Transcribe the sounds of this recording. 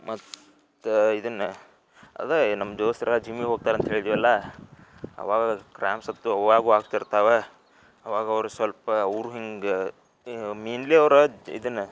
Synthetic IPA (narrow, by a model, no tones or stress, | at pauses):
mɐt̪ː | uid̪ɐnːɐ | ɐ̰d̪enɐmːɐd͡ʒoːst̪iɾɐlːɐd͡ʒimːiɦoːɡ̚t̪aːɾeɐnt̪ɐɦeːɭid̪iʋɛlːɐ | ɐ̰ʋaːɡɐkɾʔaːmsɐb̚t̪uɐaːɡuːaːɡt̪ɐɾt̪aːʋe | ɐʋaːɡɐːʋɾusʋɐlpɐːɾuɦiŋɡ | miːnleːɐʋɾɐḭd̪ɐnːɐ